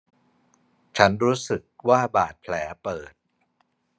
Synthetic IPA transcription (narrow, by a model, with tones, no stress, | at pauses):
t͡ɕʰa˦˥nɾuː˦˥sɯ˨˩k̚waː˥˩baː˨˩t̪̚pʰlɛː˩˦pɤː˨˩t̪̚